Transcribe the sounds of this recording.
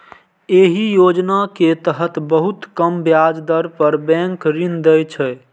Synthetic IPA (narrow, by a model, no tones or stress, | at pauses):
eɦijod͡ʒnaket̪əɦət̪bəɦut̪kəmbjad͡ʒd̪əɾpəɾbɛ̃ŋkɾind̪əjt͡ʃʰɛ